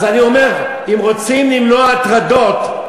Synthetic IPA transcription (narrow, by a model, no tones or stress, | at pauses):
zanio̞me̞ʁ | imʁo̞t͡simlimnoat̪ʁad̪o̞t̪